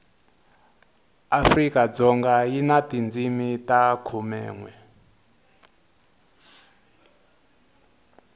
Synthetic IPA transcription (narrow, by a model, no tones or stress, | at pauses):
afrikad͡zɔŋɡajinatind͡zimitakʰumɛ̰ːŋwɛ